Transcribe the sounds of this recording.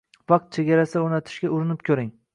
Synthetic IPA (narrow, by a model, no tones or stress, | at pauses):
vɑqt̪̚t͡ʃʰeɡʲaɾasɪoɾnat̪ʰɪ̥ʃɡʲaʊɾɪnɪp̚kʲʰɵɾɪŋ